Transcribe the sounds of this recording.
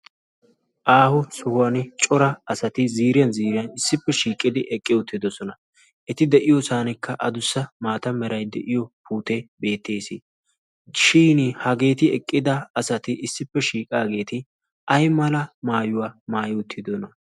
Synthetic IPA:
ʔaːhʊsʊhʊwɐnt͡ʃʼɔɾɐɐsɐt̪ɪziːɾɪjɐnziːɾɪjɐnɪsːɪpːɛʃiːkʼːɪd̪ɪʔɛkʼːɪʊt̪ːɪd̪ɔsɔnɐ | ʔɛt̪ɪd̪ɛʔɪjɔsaːnɛkːɐʔɐd̪ʊsːɐmaːt̪ɐmɛɾʔɐjd̪ɛ̰ʔɪjɔpʰuːt̪ɛbe̞ːt̪ːe̞ːsɪ | ʃiːnhɐɡe̞ːt̪ɪɛkʼːɪd̪ɐɐsɐt̪ɪʔɪsːɪpːɛʃiːkʼaːɡe̞ːt̪ɪ | ʔɐjmɐlɐmaːjʊwaːmaːjɪʊt̪ʰːɪd̪ɔnɐ

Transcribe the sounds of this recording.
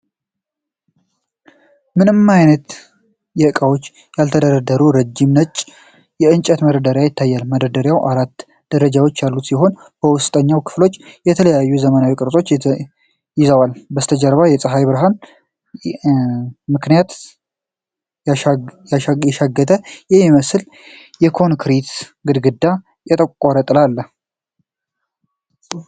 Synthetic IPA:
mɨnɨmːajnət̪ | jɛɨkʼawo̞t͡ʃː | jalt̪ʰəd̪əɾəd̪əɾuɾəd͡ʒːimnət͡ʃʼː | jɛɨnt͡ʃʼɛt̪məɾəd̪əɾjajɪt̪ʰːajːalmədəd̪əɾjawʔaɾat̪ː | d̪̥əɾəd͡ʒawot͡ʃːjalːut̪siɦo̞n | bəwʊst̪ʼəɲːawkʰɨ̥flo̞t͡ʃːjɛt̪ʰələjajːuzəmənawikʼɨɾtʼo̞t͡ʃː | jɪzəwalbəst̪ʰəd͡ʒəɾβajɛt͡sʼɨɦajbɨɾɦan | mɨknijat̪ | ajɛʃaɡːət̪ʰʼəjɛmiməsl | jɛkʰo̞nkʰɾit̪ɡɨd̪ɡɨd̪ːa | jɛt̪ʼəkʼkʼoɾət̪ʼɨlalːə

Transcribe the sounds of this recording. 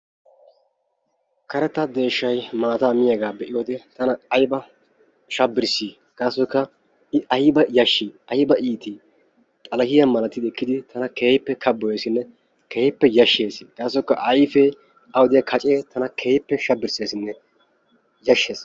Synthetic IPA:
kɐɾɛt̪ːɐd̪e̞ːʃːɐjmaːt̪ɐːmɪjɐɡaːbɛʔɪjoːd̪ɛt̪ɐnɐːjbɐ | ʃɐbːɪɾsi | ɡ̥aːsːɔkːɐ | ɪʔɐjɪbɐjɐʃːiːɐjɪbɐʔiːt̪i | t̪ʼɐlɐhɪjɐmɐlɐt̪ːɪd̪ɛkːɪd̪ɪt̪ʰɐnɐkeːjpːɛkʰɐbːɔjeːsɪnːɛ | keːpːɛjɐʃːe̞ːsɡ̥aːsːɔkːɐʔɐjfɛ | ɐwɔd̪ɪjɐkʰɐt͡ʃʼeːt̪ʰɐnɐkʰeːpːɛʃɐbːɪɾse̞ːsɪnːɛ | jɐʃːeːs

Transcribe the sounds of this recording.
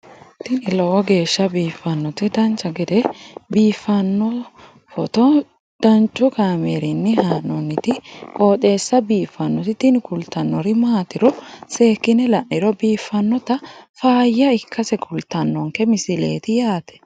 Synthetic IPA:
t̪ɪnɪlɔwɔɡe̞ːʃːɐbiːfːɐnːɔt̪ɪd̪ɐnt͡ʃːɐɡɛd̪ɛbiːfːɐnːɔ | fɔt̪ɔ | d̪̥ɐnt͡ʃʼːʊkaːmeɾɪnːɪhaːnɔnːɪt̪ɪkʼo̞ːt̪e̞ːsːɐbiːfːɐnːɔt̪ɪt̪ɪnɪkʊlt̪ːɐnːɔɾɪmaːt̪ɪɾɔseːkːɪnɛlɐʔɪɾɔbiːfːɐnːɔt̪ɐfaːjːɐɪkʰːɐsɛkʰʊlt̪ːɐnːɔŋkɛmɪsɪle̞̰ːt̪ɪjaːt̪ɛ̥

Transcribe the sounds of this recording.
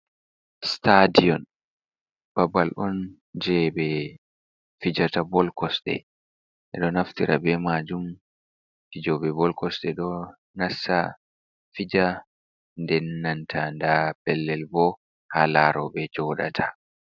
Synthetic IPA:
stadijɔn | b̥abːalʔɔn | d͡ʒɛbɛ | fid͡ʒatabɔlkɔsɗɛ̰ | ʔɛ̰ɗɔnaftiɾʔa̰bɛmad͡ʒum | tid͡ʒɔbɛbɔlkɔsɗɛɗɔ | nasːa | fid͡ʒa | ndɛnːantʰandapɛlːɛlbɔ | halaɾɔbɛd͡ʒɔɗa̰tʰa

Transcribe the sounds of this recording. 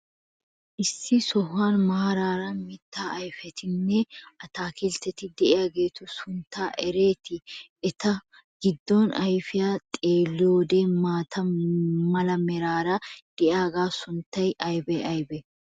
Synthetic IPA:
ʔɪsːɪsɔhːaːnmaːɾaːɾɐmɪt̪ːaːʔɐjfɛt̪ʰɪnːɛɐt̪aːkɪlt̪ɛt̪ɪd̪ɛʔɪjaːɡe̞ːt̪ʊsʊnt̪ːaːʔɛɾeːt̪ɪ | ɛt̪ɐ | ɡ̥ɪd̪ːɔnɐjfɪjaːt̪ʼeːlːɪjoːd̪eːmaːt̪ʰɐmɐlɐmɛɾaːɾɐd̪̥ɛʔjɪaːɡaːsʊnt̪ːɐjʔɐjbɛɐjbɛ

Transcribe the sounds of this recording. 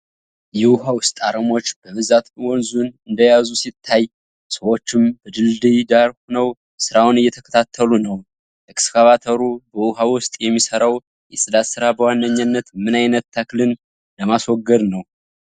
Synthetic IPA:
jɛʊɦawʊst̪ʼaɾəmo̞t͡ʃːb̥əβɨzat̪wɔnzunɨnd̪əjazusit̪ʰːaj | səwo̞t͡ʃːɪmbəd̪ɨld̪ɨjd̪aɾhnəw | sɨɾawʊnɨjːɛt̪ʰəkʰə̥t̪ʰat̪ʰːəlunəw | ɛkskʰaβat̪ʰəɾubəwuɦawʊst̪ʼjɛmːisəɾaw | jɛsʼɨd̪at̪sɨɾabəwanːəɲːanːət̪mɨnajnət̪ːʰəklɨn | ləmaswɔɡːəd̪nəw

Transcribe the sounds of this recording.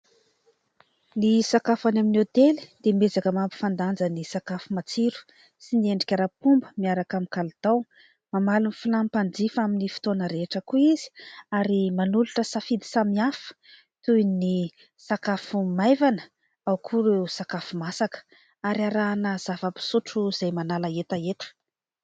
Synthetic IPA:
nisakafanaminot̪eli̥d̪̥emezakəmampi̥fand̪and͡zənisakafumat͡siɾu̥ | sinieɳɖ͡ʐikʲaɾapumbəmiaɾakamikalt̪aw | mamalunfilampand͡zifaminifi̥t̪onəɾeʈ͡ʂəkuiz̥i̥aɾimanuluʈ͡ʂəsafid̪i̥samiafə̥ | t̪ujni | sakafumajvanə̥ | awkʰuɾewsakafumasakə̥ | aɾiaɾaːnəz̥avəpi̥suʈ͡ʂuz̥ajmanalaet̪aet̪ə̥

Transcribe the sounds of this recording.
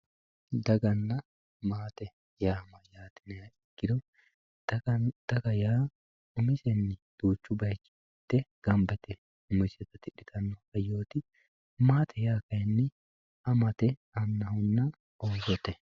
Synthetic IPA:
d̪ɐɡɐnːɐ | maːt̪ɛ | jaːmɐjaːt̪ɪnɛɐɪkːɪd̪ɔ | d̪̥ɐɡɐjaː | ʊmɪsɛnːɪd̪̥uːt͡ʃːʊbɐjt͡ʃːɪ̥ | t̪ːɛɡ̥ɐmbɛt̪ɛ | ʊmɪsɛt̪ːɐt̪ɪɗɪt̪ʰɐnːɔhɐjoːt̪ɪ | maːt̪ʰɛjaːkɐjɛnːɪ | ɐmɐt̪ɛɐnːɐhʊnːɐ | onsɔt̪ːɛ

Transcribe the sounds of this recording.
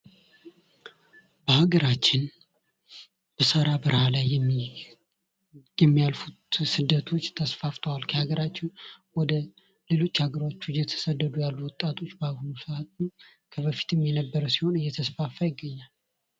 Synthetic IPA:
bəhaɡəɾat͡ʃːɪn | b̥əsəɾabɨɾhalaj | jɛmːijalfut̪sɨd̪ːət̪ʰo̞t͡ʃːt̪ʰəsfaft̪ʰəwalkʰəhaɡəɾat͡ʃːɪnwɔd̪ə | le̞lo̞t͡ʃːhaɡəɾo̞t͡ʃːujɛt̪ʰə̥səd̪ːəd̪ujalːuwɔt̪ʼːat̪ʰo̞t͡ʃːbaβhunusɨat̪ɨm | kʰəbəfi̥t̪ʰɨmjɛnəbːəɾəsiho̞nɨjːɛt̪ʰəsfafːajɪɡːəɲːal

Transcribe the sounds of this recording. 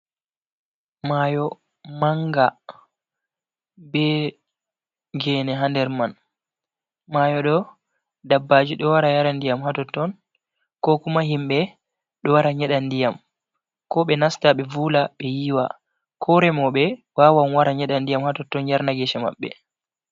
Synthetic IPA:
majɔ | maŋɡa | bɛ | ɡɛːnɛɦandɛɾman | maːjɔɗɔ | dabːad͡ʒiɗɔwaɾajaɾandijamhatɔtɔn | kɔkumaɦimbɛ | ɗɔwaɾaɲɛɗandijam | kɔɓɛnastaɓɛvuːlaɓɛjiːwa̰ | kʰɔɾɛmɔɓɛwaːwanwaɾaɲɛɗandijamhatɔtːɔnjaɾnaɡɛʃɛma̰ɓːɛ̰

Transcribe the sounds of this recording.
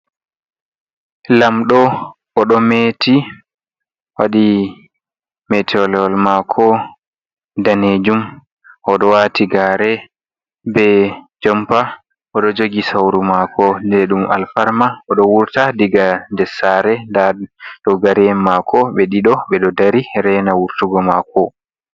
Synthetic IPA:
lamɗɔ | ʔɔɗɔmeti | waɗi | mɛtʰɔlɛɔlmakʰɔ | daned͡ʒum | ʔɔɗɔwatiɡaɾɛ | bɛd͡ʒɔmpa | ʔɔɗɔd͡ʒoɡisawɾumakʰɔdɛɗuma̰lfaɾmaɔɗɔwuɾtadiɡandɛsaɾɛdaɗɔɡaɾɛmmːakɔɓɛɗiɗɔɓɛɗɔdaɾiɾɛnawuɾtuɡɔmakɔ

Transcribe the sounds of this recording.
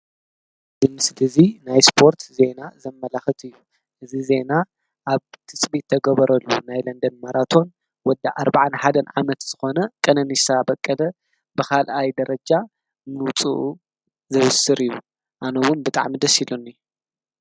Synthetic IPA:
zɨmɨslɨzinajspʰo̞ɾt̪ze̞nazɐmːɐlaxɨt̪ɨjːu | ʔɨzize̞na | ʔaβt̪ʰɨsʼbit̪ʰːɐɡɐβɐɾɐlːunajlɐnd̪ɐnmaɾat̪ʰo̞n | wɔd̪aʔaɾbaʕanħad̪ɐnʕa̰mɐt̪z̥ɨxo̞nɐkʼɐnɐnisabɐkʼːɐd̪ɐ | bɨkʰalʔajd̪ɐɾɐd͡ʒa | nɨwt͡sʼuʔu | zɐβɨsɨɾɨjːu | ʔanɐwʊnbɨt̪ʼa̰ʕmid̪ɐsilunɨj

